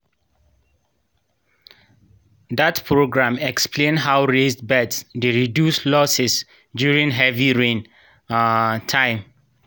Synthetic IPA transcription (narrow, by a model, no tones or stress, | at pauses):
datpʰɹoɡɹãmɛkspʰlẽnɦawɹesdbɛtsdeɹidjuslɔsɛs | djuɹĩŋɦɛviɹẽn | tʰãɪ̃m